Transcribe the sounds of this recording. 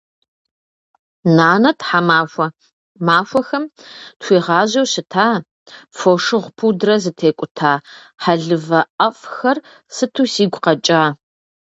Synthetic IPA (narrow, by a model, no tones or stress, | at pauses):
naːnɐtʰħamaːɐ | maːfʷɐxɐmtxʷiːʁɑːʑɐwɕɪtʰaː | foʂɨʁʷpʰuːdɨrɐzɨtʰeːkʷʼʊtʰaː | ħaɮɨvɐʔɐfxɐr | sɨtʰuːsiːɡʷqɐt͡ʃʼaː